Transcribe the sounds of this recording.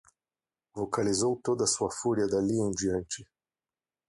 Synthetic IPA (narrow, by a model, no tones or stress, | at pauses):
vokalizowt̪od̪ɐsuɐfuɾiɐd̪aliũd͡ʒiɐ̃nt͡ʃɪ